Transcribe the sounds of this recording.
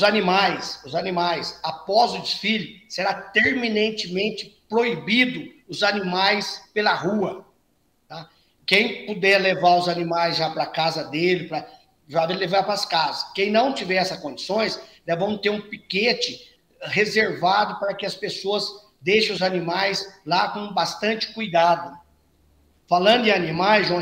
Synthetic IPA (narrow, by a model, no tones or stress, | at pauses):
ʊzanimajsʊzanĩmajsapɔzʊd͡ʒisfiʎʊseɾat̪eɾminẽnt͡ʃɪmẽnt͡ʃɪ̥pɾoibid̪ʊʊzanimajspelɐhuɐ | t̪a | kẽj̃pod̪ɛlevaɾʊzanĩmajzʒapɾɐkazɐd̪elɪpɾɐ | ʒavelevaɾpɾɐskazɐskẽj̃nɐ̃w̃t͡ʃivɛɾɛsɐskõd͡ʒisõj̃sd̪ɛvɐ̃w̃t̪eɾũpiket͡ʃɪ | hezeɾvad̪ʊpaɾɐkɪɐspesoɐs | d̪eʃẽʊzanimajslakõbast̪ɐ̃nt͡ʃɪ̥kujd̪ad̪ʊ | falɐ̃d̪ʊɪanĩmajzʒõ